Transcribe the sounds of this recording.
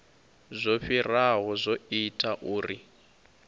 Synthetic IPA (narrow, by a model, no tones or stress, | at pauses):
zʷoɸiraɦɔzʷoitʼaʔuːri